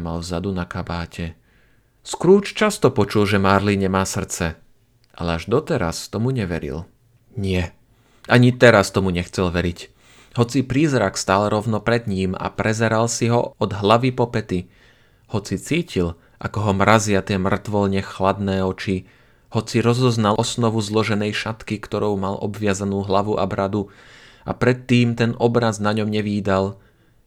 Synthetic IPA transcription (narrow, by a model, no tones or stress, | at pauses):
malvzad̪unakabaːcʰɛ | skɾuːt͡ʃt͡ʃast̪ɔpɔt͡ʃulʒɛmaɾliɲɛmaːsr̩t͡sɛ | ʔa̰lɛaʒd̪ɔt̪ɛɾa̰st̪ɔmuɲɛʋɛ̰ɾḭl | ɲɪɛ | ʔaɲit̪ɛɾast̪ɔmuɲɛxt͡sɛlʋɛɾic | hɔt͡sipɾiːzɾakst̪aːlɾɔʊnɔpɾɛd̪ɲiːma̰pɾɛzɛɾalsiɦɔɔd̪ɦlaʋipɔpɛt̪i | hɔt͡sit͡siːcil | ʔa̰kɔɦɔmɾazɪat̪ɪɛmr̩t̪ʋɔlɲɛxlad̪nɛːɔt͡ʃi | hɔt͡siɾɔzɔznalʔɔsnɔʋuzlɔʒɛnɛjʃat̪kikt̪ɔɾɔʊmalʔɔ̰bʋɪazanuːɦlaʋuʔa̰bɾad̪u | a̰pɾɛt̪ːiːmt̪ɛnɔbɾaznaɲɔmɲɛʋiːd̪al